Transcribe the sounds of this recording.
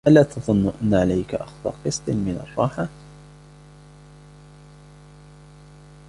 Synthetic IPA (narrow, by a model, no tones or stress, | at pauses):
ʔalaːt̪ʰɑðˤʊnːʊʔanːaʕalajkaʔa̰xðˤɑ̰ːqɨsˤt̪ˤɨmɪnɑ̰rˤːɑːħa